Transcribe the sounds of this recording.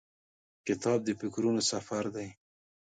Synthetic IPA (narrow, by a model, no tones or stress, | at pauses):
kɪt̪ɑb̚d̪əfɪkɾunosafaɾd̪aj